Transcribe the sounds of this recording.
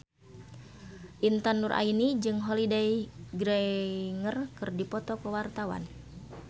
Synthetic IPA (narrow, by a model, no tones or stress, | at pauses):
ʔint̪anurʔa̰inid͡ʒɨŋɦolidajɡɾɛŋərkɨrdipɔt̪ɔkəwart̪awa̰n